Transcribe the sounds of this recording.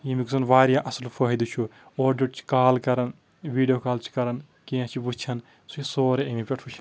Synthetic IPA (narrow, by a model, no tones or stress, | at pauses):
jimiksɐnʋaːɾjaʔɐslpʰɐɦid̪ut͡ʃʰu | oːɾɖeʈt͡ʃʰi̥kaːlkɐɾɐn | ʋiːɖijokaːlt͡ʃʰi̥kɐɾɐn | kiãt͡ʃʰibut͡ʃʰɐn | suisoːɾeɐmipʲeʈʰut͡ʃʰi̥